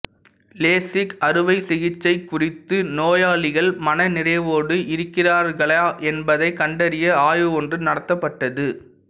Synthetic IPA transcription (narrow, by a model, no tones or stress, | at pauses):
leːsɪkɐɾɯʋɐɪsɪɣɪt͡ʃːɐɪkːʊrɪt̪ːɯnoːjaːɭɪɣɐɭmɐnɐnɪrɐɪʋoːɽɯʔɪɾɯkːɪraːɾɣɐɭaːʔɛnbɐðɐɪkɐɳɖɐɾɪjɐaːjɯɔndrɯnɐɽɐt̪ːɐpːɐʈːɐðɯ